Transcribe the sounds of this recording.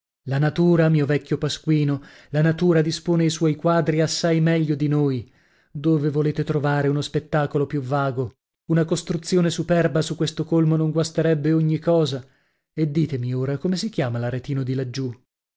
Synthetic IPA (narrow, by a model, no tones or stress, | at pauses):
lanat̪uːɾamiːovɛkʲːjopaskwiːno | lanat̪uːɾad̪ispoːneaiswɔjkwaːd̪ɾiasːajmɛʎːod̪inoj | d̪oːvevoleːt̪et̪ɾovaːɾeunospet̪ːaːkolopjuvːaːɡo | unakost̪ɾut̪sːjoːnesupɛrbasukːwest̪okolmonoŋɡwast̪eɾɛbːeoɲːikɔːza | ed̪ːiːt̪emioːɾakomesikjaːmalaɾet̪iːnod̪ilad͡ʒːu